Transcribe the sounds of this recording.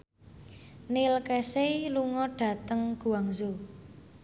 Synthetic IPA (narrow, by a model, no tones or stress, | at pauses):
nilkɛseluŋɔɖ̥ä̤t̪əŋɡ̥ṳaŋzo